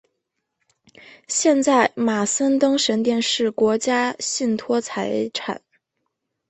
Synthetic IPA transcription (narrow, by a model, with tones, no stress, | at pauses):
ɕjɛ˥˧nt͡sa˥˩ɪma˨˩sə˥nt̪ɤ˥ŋʂə˧˥nt̪jɛ˥˧nʂɻ̩˥˩kwɔ˧˥t͡ɕja˥ɕi˥˩nt̪ʰwɔ˥t͡sʰa˧˥ɪʈ͡ʂʰa̰˨˩˦n